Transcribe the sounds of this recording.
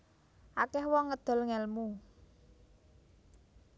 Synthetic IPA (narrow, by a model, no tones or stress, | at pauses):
ʔakɛhwɔŋːəd̪̥ɔ̤lŋɛlmu